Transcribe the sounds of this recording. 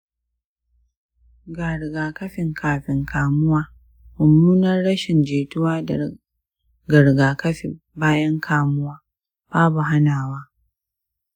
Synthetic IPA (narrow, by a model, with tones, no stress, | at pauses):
ɡa˨ɾɡaː˨kɐ˦ɸɪ˨ŋkʰaː˨ɸɪ˨ŋkʰaː˨mʊ˦waː˦ | mʊ˨mːuː˦nɐ˦rɽɐ˦ʃɪ˨nd͡ʒeː˨tʊ˦waː˦˨ | ɡɐ˨ɾɡaː˨kɐ˦ɸḛ˨ | baː˦jɐ˦ŋkʰaː˨mʊ˦waː˦ | b̥aː˦bu˨ɦa˦naː˨waː˦